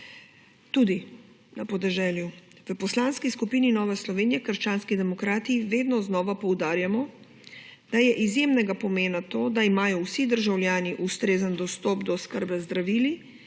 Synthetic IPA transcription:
t̪uːd̪i | napɔd̪ɛʒɛːlju | ʋəpɔslanskiskupiːninɔːʋɛslɔʋeːnijɛkəɾʃt͡ʃaːnskid̪ɛmɔkɾaːt̪iiʋeːd̪nɔznɔːʋapɔwd̪aːɾjamɔ | d̪̥ajɛʔizjemnɛɡapɔmeːnat̪oːd̪aimaːjɔwsid̪əɾʒawljaːniʔust̪ɾeːzənd̪ɔst̪ɔpd̪ɔskəɾbɛzd̪ɾaʋiːli

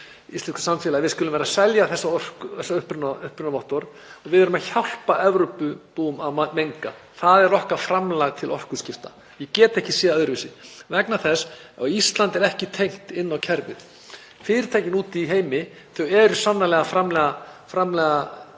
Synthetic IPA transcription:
ist̪ɛnskʏ̥samfɛːlavɪðskʏlʏmvɛːɾasɛljaθɛsːaɔr̥kθɛsːaʏhpɾʏnaʏhpɾʏnavɔht̪ɔɾ | ɔɣvɪðvɛɾʏmaçawl̥paʔɛvɾɔpʏpuːʏmaðmejŋka̰ | θaðɛɾɔhkafɾamlaɣt̪ʰɪlɔr̥kʏscɪft̪a | jɛcɛːt̪aɛhcɪsiːðaœðɾʏvɪsɪvɛknaθɛsa̰ist̪lant̪ɛɾɛhcɪt̪ʰejm̥t̪ɪnːawcʰɛɾvɪ̰ð | fɪːɾɪɾt̪ʰaːjcɪnuːt̪iɦeːjmɪ | θœwɛɾʏsavnːalɛːɣafɾamlɛɣafɾamlɛːɣa

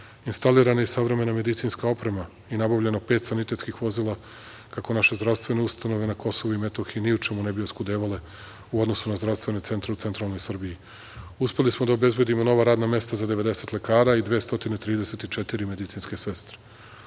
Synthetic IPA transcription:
inst̪aliːɾanaisavɾe̞me̞name̞d̪it̪siːnskao̞pɾe̞ma | inabavʎe̞nope̞ːt̪sanit̪e̞t̪skixʋo̞ziːlˠa | kako̞naʃe̞zd̪ɾaʋst̪ʋe̞ne̞ust̪ano̞ʋe̞nako̞so̞ʋuime̞t̪oxiiniut͡ʃemunebioskud̪eːʋale̞ | uo̞d̪no̞sunazd̪ɾaʋst̪vʋe̞ne̞t̪se̞nt̪ɾeut̪se̞nt̪ɾalˠno̞jsr̩biji | uspe̞lismo̞d̪aobe̞zbjed̪imo̞no̞ʋaɾaːd̪name̞st̪azad̪eʋe̞d̪e̞se̞t̪le̞kaːɾaid̪ʋeːst̪o̞t̪inet̪ɾiːd̪ese̞t̪it͡ʃet̪iɾime̞d̪it̪siːnske̞se̞st̪ɾe̥

